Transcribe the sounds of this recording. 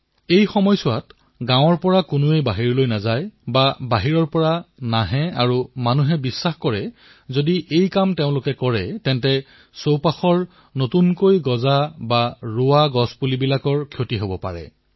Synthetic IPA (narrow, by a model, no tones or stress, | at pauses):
ejxɔmɔjsʊwat | ɡãw̃ɔɹpɔɹakʊnuejbaɦiɹlojnazajbabaɦiɹɔɹpɔɹanaɦɛaɹumanuɦɛbisːaxkɔɹɛ | zodiʔejkamteʊ̃lʊkɛkɔɹɛtɛntɛ | sowpaxɔɹ | notunkojɡɔzabaɹʊwaɡɔspulibilakɔɹkʰjotiɦobɔpa̰ɹɛ̰